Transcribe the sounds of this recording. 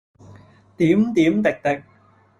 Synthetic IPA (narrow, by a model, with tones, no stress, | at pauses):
t̪iː˨˥mt̪iː˨˥mt̪ɪ˨k̚t̪ɪ˨˩k̚